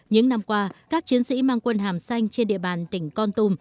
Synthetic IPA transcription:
ɲɨ̰˧˥ŋna˧mkwaː˧kaː˦˥k̚t͡ɕi˨˦ənsḭ˧˥maː˧ŋkwə˧nɦaː˨˩msa˧jŋ̟t͡ɕe˧nɗḭ˧˨əɓaː˨˩nt̪ï˧˩ŋ̟kɔ˧nt̪u˧m

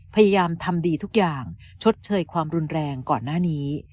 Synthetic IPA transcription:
pʰa˧jaː˧jaː˧mt̪ʰa˧mdiː˧t̪ʰu˦˥k̚jaː˨˩ŋ | t͡ɕʰo˦˥t̪̚t͡ɕʰɤː˧jkʰwaː˧mɾu˧nɾɛː˧ŋkɔː˨˩nːaː˥˩niː˦˥

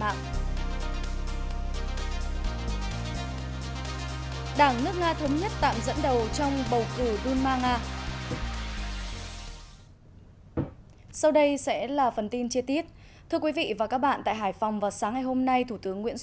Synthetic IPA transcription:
ma̰ː˧˨ŋ | ɗaː˧˩ŋnɨ˦˥ək̚ŋaː˧t̪ʰə˨˦wŋ͡mɲə˦˥t̚t̪a̰ː˧˨mzə̰˧˥nɗə˨˩wt͡ɕɔ˧wŋ͡mɓə˨˩wkɨ˧˩ɗu˧nmaː˧ŋaː˧ | sa˧wɗə˧jsɛ̰˧˥laː˨˩fə˨˩nt̪i˧nt͡ɕi˧ət̪i˦˥ət̚ | t̪ʰɨ˧əkwi˨˦vḭ˧˨vaː˨˩kaː˦˥k̚ɓa̰ː˧˨nt̪a̰ː˧˨jɦaː˧˩jfɔ˨˩wŋ͡mvaː˨˩saː˨˦ŋːa˨˩jɦo˧mna˧jt̪ʰu˧˩t̪ɨ˨˦əŋːwḭ˧˥ən

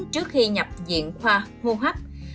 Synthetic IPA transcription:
t͡ɕɨ˦˥ək̚xi˧ɲa˨˩p̚zḭ˧˨ənxwaː˧hu˧ɦwa˦˥k̚

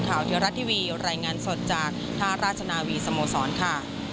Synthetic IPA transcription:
kʰaː˨˩wt̪ʰi˧˦ɾa˦˥t̪ʰːiː˦˧˩wiː˧ɾaː˧jŋaː˧nso˨˩t̪̚t͡ɕaː˨˩k̚t̪ʰaː˥˩ɾaː˥˩t̪̚ʰa˧naː˧wiː˧sa˧moː˧sɔː˩˦nkʰa˥˩

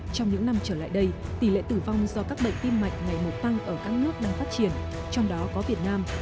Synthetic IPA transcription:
t͡ɕɔ˧wŋ͡mɲɨ̰˧˥ŋna˧mt͡ɕəː˧˩la̰ː˧˨jɗə˧jt̪i˧˩lḛ˧˨t̪ɨ˧˩va˧wŋ͡mzɔ˧kaː˦˥k̚ɓə̰˧˨jŋ̟t̪i˧mːa̰˧˨jŋ̟ŋa˨˩jmo˨˩t̚t̪a˧ŋʔəː˧˩kaː˦˥k̚nɨ˦˥ək̚ɗaː˧ŋfaː˦˥t̚t͡ɕi˧˩ən | t͡ɕɔ˧wŋ͡mɗɔ˨˦kɔ˨˦vi˨˩ət̚naː˧m

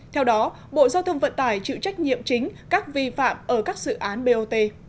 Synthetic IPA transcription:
t̪ʰɛ˧wɗɔ˨˦ | ɓo̰˧˨zaː˧wt̪ʰə˧wŋ͡mvə̰˧˨nt̪aː˧˩jt͡ɕɨ̰˧˨t͡ɕa˦˥jk̟̚ɲḭ˧˨əmt͡ɕï˨˦ŋ̟kaː˦˥k̚vi˧fa̰ː˧˨mʔəː˧˩kaː˦˥k̚zɨ̰˧˨ʔaː˨˦nɓe˧ʔo˧t̪e˧

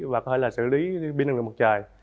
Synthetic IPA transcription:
vaː˨˩kɔ˨˦e˧˩laː˨˩sɨ̰˧˩li˨˦ɓi˧nə˨˩˨m˨˩t̚t͡ɕaː˨˩j

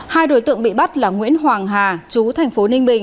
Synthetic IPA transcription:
haː˧jɗo̰˧˥˩jt̪ɨ̰˧˨əŋɓḭ˧˨ɓa˦˥t̚laː˨˩ŋwḭ˧˥ənɦwaː˨˩ŋɦaː˨˩t͡ɕu˨˦t̪ʰɛ˨˩jŋ̟fo˨˦nï˧ŋ̟ɓï˨˩ŋ̟

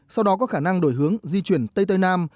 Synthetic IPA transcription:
sa˧wɗɔ˨˦kɔ˨˦xaː˧˩na˧ŋɗo˧˩jɦɨ˨˦əŋzi˧t͡ɕwi˧˩ənt̪ə˧jt̪ə˧jnaː˧m

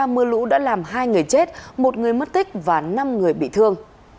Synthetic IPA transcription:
a˧mɨ˧əlṵ˧˥ɗa̰ː˧˥laː˨˩mɦaː˧jŋɨ˨˩əjt͡ɕe˦˥t̚mo˨˩t̚ŋɨ˨˩əjmə˦˥t̚t̪ï˦˥k̟̚vaː˨˩na˧mŋɨ˨˩əjɓḭ˧˨t̪ʰɨ˧əŋ

